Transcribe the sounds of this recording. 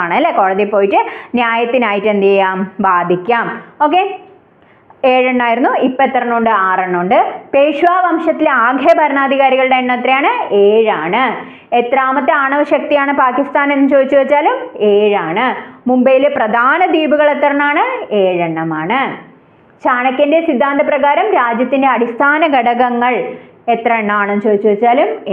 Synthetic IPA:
aːɳɨɐlːeko̞ːɻɐðipːo̞ːjiʈːɨnjaːjɐt̪ːinaːjiʈːɨend̪ijaːmbaːd̪ʱikʲːaːmo̞ːk̬ːe | eːɻɐɳːaːjiɾunːuipːoet̪ːɐrɐɳːoːɳɖɨaːrɐɳːoːɳɖɨpeːʂuʋaːʋɐmʂɐt̪ːileaːɡʱɐɐbɐɾɐɳaːd̪ʱiɣaːɾiɣɐɭɨɽeenːɐt̪ːɾɐjaːɳɨeːɻaːɳɨ | et̪raːmɐt̪ːeaːɳɐʋɐɕɐk̚t̪ijaːɳɨpaːkist̪aːnenːt͡ɕo̞ːd̪it͡ɕːuʋɐit͡ɕːaːlumeːɻaːɳɨmumbɐjileprɐd̪ʱaːnɐd̪iːbuɣɐɭe̞t̪ːɐrɐnːaːɳɨeːɻeɳːɐmaːɳɨ | ɕaːɳɐkʲːɐndesid̪ʱːaːnd̪ʱɐprɐɣaːɾɐmɾaːd͡ʑjɐt̪ːinde̞ɐɽist̪ʰaːnɐɡɐɽɐɣɐŋːɐɭ | e̞t̪rɐeɳːɐaːɳenːt͡ɕo̞ːd̪it͡ɕːuʋɐit͡ɕːaːlum

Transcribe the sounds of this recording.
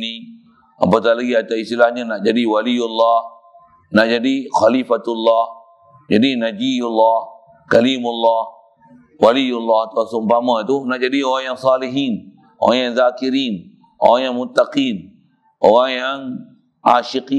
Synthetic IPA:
ni | a̰mpat̪alaɡiat̪aist̪ilahɲanaʔd͡ʒadiwalijulːah | naʔd͡ʒadixalifat̪ulːah | d͡ʒadinad͡ʒijulːah | kalimulːɑh | walijulːaht̪uasumbamat̪unaʔd͡ʒadioɣaŋjaŋsaːliɦin | o̰ɣaŋjaŋzaːkiɾin | ʔo̰ɣaŋjaŋmut̪ːaqin | ʔo̰ɣaŋjaŋ | aːʃiqi

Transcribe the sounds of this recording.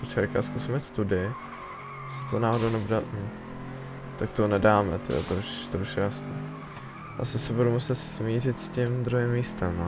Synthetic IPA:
pot̪t͡ʃɛvɛka̰ːskusimiːt̪st̪udɪ | sɪ̥t̪onaːɦodownɛbudan̩ | t̪ak̚t̪onɛdaːmɛt̪ɛ̰jɛ̰t̪ɾoʃt̪ɾoʃjasnɛː | ʔa̰sɪsɛbudumusɛt̪smiːrɪt̪scɪmd̪ɾuɦɪmːiːst̪ɛm

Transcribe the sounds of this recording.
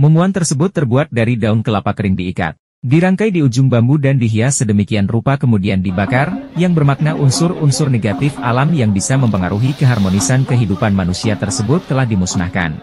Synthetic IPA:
mumuant̪ərsəbʊt̪ːərbuat̪̚daɾidaʊnkəlapakəɾɪŋdiːka̰t̪̚ | diɾaŋkajdiud͡ʒʊŋbambudandiɦiasədəmikianrupakəmudiandibakarjaŋbərmak̚naʔunsʊrunsʊrneɡat̪ɪfalamjaŋbisaməmpəŋaɾuɦikəɦarmonisankəɦidupanmanusiat̪ərsəbʊt̪ːəlahdimusna̰hka̰n

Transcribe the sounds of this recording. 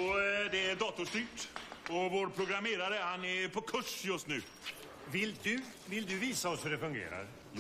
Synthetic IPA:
ɔd̪ɛæd̪ɑːt̪ʊʂt̪yːʈɔvoːɾpʰɾʊɡɾameːɾaɾəhanæpʰɔkʰɵʂjɵst̪nʉ̟ː | vɪld̪ɵ | vɪld̪ɵviːsaɔshɵɖɛfɵŋɡḛːɾa̰ɾ

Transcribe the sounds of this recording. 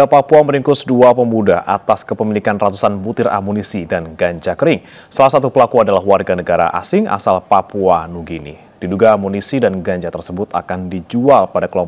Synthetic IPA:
dapapuaməɾiŋkʊsduapəmudaʔat̪askəpəmilikanrat̪usanbut̪ɪrʔa̰munisidanɡaɲd͡ʒakəɾɪŋ | salahsat̪upəlakuadalahwarɡanəɡaɾa̰ʔa̰sɪŋʔa̰salpapuanuɡinḭ | d̥iduɡaːmunisidanɡaɲd͡ʒat̪ərsəbʊt̪akandid͡ʒualpadakəlɔmp

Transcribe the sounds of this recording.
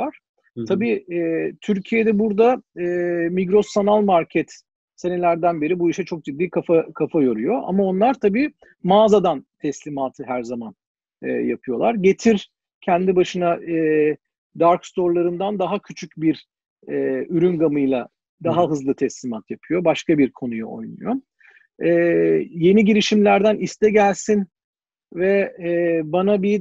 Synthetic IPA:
aɾ̥ʰ | abiːɛːt̪ʰyɾcʰije̞d̪ɛbuɾd̪aɛːmiɡɾo̞sanalˠmaɾcʰɛt̪ | se̞nɛlʲæɾd̪ænbeɾibuiʃɛt͡ʃʰo̞k̚d͡ʒid̪ːiːkʰafakʰafajo̞ɾyjo̞ʔa̰mao̞nlˠaɾt̪ʰabiː | maːzad̪ant̪ʰɛslʲimaːt̪ʰɯɦæɾzaman | ɯ̰ːjapʰɯjo̞lˠaɾɟe̞t̪ʰiɾ | cʰɛnd̪ibaʃɯnaɛ | d̪aɾkst̪o̞ɾlˠaɾɯnd̪and̪aɦacʰyt͡ʃʰycbiɾ | ɛːyɾynɡamɯjlˠa | d̪aɦaɦɯzlˠɯt̪ʰɛslʲimat̪ʰjapʰɯjo̞baʃkabiɾkʰo̞nujṵo̞̰jnṵjo | ɛːje̞niɟiɾiʃimlʲæɾd̪ænist̪ʰɛɟælʲsin | vɛɛːbanabi

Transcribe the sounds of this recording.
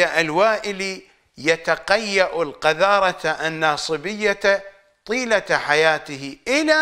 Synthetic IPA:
aʔalwaːʔɪli | jat̪aqajːaʔʊlqɑðɑːɾˤɑt̪aʔanːɑːsˤɨbɪjːa | t̪ˤiːlaħajaːt̪ɪhɪʔɪla

